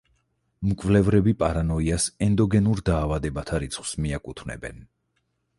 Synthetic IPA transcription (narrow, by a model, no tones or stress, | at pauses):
mkʼvlɛvɾɛbipʼaɾanɔiasɛnd̪ɔɡɛnuɾd̪aːvad̪ɛbat̪ʰaɾit̪sʰχwsmiakʼut̪ʰvnɛ̰bɛ̰n